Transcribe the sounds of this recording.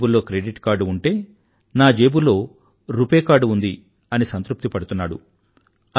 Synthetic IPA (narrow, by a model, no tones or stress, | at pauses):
bulːo̞ːkɾeːɖiʈkaːɾɖuuɳʈe̞ː | naːd͡ʒe̞ːbulːo̞ː | ɾupeːkaːɾɖund̪i | ɐnisɐnt̪ɾup̚t̪ipɐɽut̪unːaːɽṵ